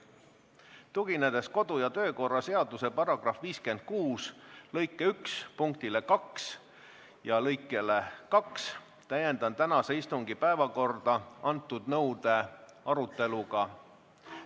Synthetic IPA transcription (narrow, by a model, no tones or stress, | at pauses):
t̪uɡ̥ined̪̥e̞sko̞d̪̥ujɑt̪ø̞ːko̞rːɑse̞ɑd̪use̞pɑrɑɡ̥rɑfviːske̞nd̪̥̚kuːslɤjkːˑeykspuŋk̚t̪ile̞kɑks | jɑlɤjkːˑe̞lekɑks | t̪æje̞nd̪̥ɑnt̪ænɑseist̪uŋɡ̥ipæevɑko̞rd̪̥ɑɑnt̪ːˑud̪̥nɤ̞wd̪̥e̞ | ɑɾut̪ˑːe̞luɡ̥ɑ